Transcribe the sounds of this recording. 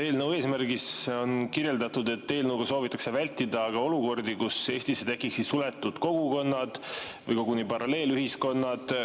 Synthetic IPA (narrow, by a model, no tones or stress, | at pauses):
t̪e̞ːlnəwe̞ːsmærɡiso̞nkirje̞ld̪ɑt̪ud̪e̞t̪ːe̞ːlnəwɡ̥ɑso̞ːvit̪ːˑɑkse̞vælʲt̪ːid̪ɑːɡ̥ɑo̞luko̞rd̪ikuse̞ːsʲt̪isːet̪e̞kːˑiksid̪sule̞t̪ːˑud̪̥ko̞ɡ̥uko̞nːɑd̪̥vɤjkɑɡunipɑɾɑle̞ːlyɦisko̞nːɑd̪̥